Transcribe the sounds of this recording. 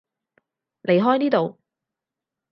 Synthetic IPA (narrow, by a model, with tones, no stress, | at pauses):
lʔe˨jɦɔː˥jniː˥t̪o˨w